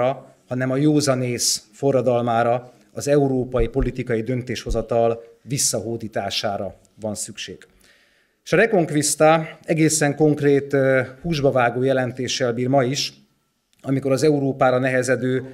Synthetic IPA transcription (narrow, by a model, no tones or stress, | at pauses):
ɒ | hɒnɛmɒjoːzɒneːsfo̞rːɒd̪ɒlmaːɾɒ | ɒzɛuɾoːpɒjipo̞lit̪ikɒjid̪ø̞nt̪eːʃho̞zɒt̪ɒl | visːɒɦoːd̪iːt̪aːʃaːɾɒ | vɒnsykʃeːɡ̥ | eʃɒɾɛko̞ŋkvist̪aɛɡeːsɛŋko̞ŋkreːt̪huːʒbɒvaːɡoːjɛlɛnt̪eːʃɛlbiːrmɒiʃ | ɒmiko̞ɾɒzɛuɾoːpaːɾɒnɛɦɛzɛd̪øː